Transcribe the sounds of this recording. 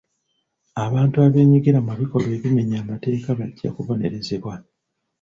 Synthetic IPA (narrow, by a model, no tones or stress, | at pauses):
aβaːntuaβe̞ːɲiɡiɾamaβiko̞lwe̞ːβime̞ɲaːmate̞ːkaβaɟːa̰kuvo̞ne̞ɾe̞ze̞βwa